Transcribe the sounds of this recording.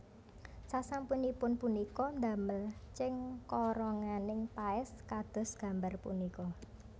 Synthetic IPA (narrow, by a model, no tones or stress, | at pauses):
sasampunipʊnpunikɔnd̪ä̤məlt͡ʃɪŋkɔɾɔŋanɪŋtaɪskad̪̥ɔ̤sɡ̥ä̤mbarpṵnikɔ